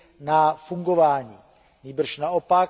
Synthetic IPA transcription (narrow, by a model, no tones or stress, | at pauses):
nafuŋɡovaːɲiː | ɲiːbr̩ʃnaopa